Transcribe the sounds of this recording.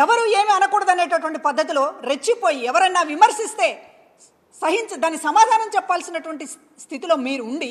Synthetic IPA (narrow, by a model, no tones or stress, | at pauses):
ɛʋɐɾue̞ːmiɐnɐkuːɽɐd̪ɐneːʈ̬ɐʈ̬uʋɐɳʈipɐd̪ʱːɐt̪̬ilo̞ːɾet͡ʃːipoːjiɛʋɐɾɐnːaːʋimɐɾʂist̪e̞ː | sɐɦiɲt͡ʃɐd̪aːnːisɐmaːd̪ʱaːnɐmt͡ʃɛpːaːlsinɐʈuʋɐɳʈi | st̪ʰit̪ilo̞ːmiːɾuːɳɖi